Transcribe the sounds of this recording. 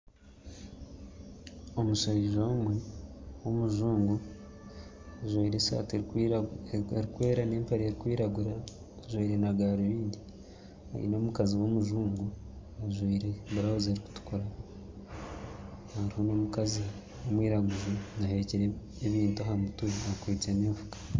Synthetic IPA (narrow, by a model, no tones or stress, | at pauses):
omuʃaβiʒomwewomuʒuːŋɡu | aʒwiiɾesa̰ːt | ɾikwe̞ːɾane̞ːmpaɾieɾikwiːɾaɡuɾa | aʒwiːɾe̞naɡaɾiβiːndi | a̰ḭno̞ːmukaziwomuʒuːŋɡu | aʒiːɾebuɾaβuziaɾiku̥tu̥koɾa | haɾihono̞mukazi | womwiːɾaɡuʒinaɦeceɾeː | βiːntaɦamutuɾiakweːt͡se̞neːɱvukḁ